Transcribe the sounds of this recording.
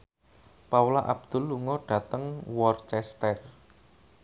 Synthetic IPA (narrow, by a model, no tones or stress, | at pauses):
paulaʔab̥̚d̪̥ʊ̤lːuŋɔɖ̥ä̤t̪əŋwɔrt͡ʃɛst̪ɛr